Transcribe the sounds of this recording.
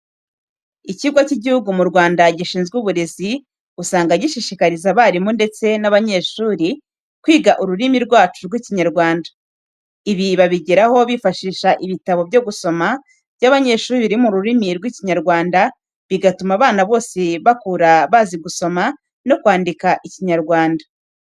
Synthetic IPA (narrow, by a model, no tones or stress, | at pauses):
iciɡwaciɟihuɡumuɾɡwaːndaɟiʃiːnzɡuβuɾe̞zi | usaːŋɡaɟiʃiʃikaɾizaβaːɾimonde̞t͡se̞naβaɲe̞ːʃuːɾi | kwiːɡaʔuɾuɾimiɾɡwaːt͡ʃuɾɡwiciɲaɾɡwaːndḁ | iβiβaβiɟeɾaho̞βifaʃiːʃaʔiβitaβo̞bɟo̞ɡuso̞ma | v̥jaβaɲe̞ʃuːɾɾiɾimuɾuɾimiɾɡwiciɲaɾɡwaːnda | βiɡatumaβaːnaβo̞ːse̞βakuːɾaβaːziɡuso̞ma | no̞kwaːndikaʔiciɲaɾɡwaːnda